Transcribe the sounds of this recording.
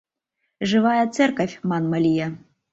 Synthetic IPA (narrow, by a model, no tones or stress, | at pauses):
ʐɨvajɐt̪sɛrkɐfʲmanmɐlʲija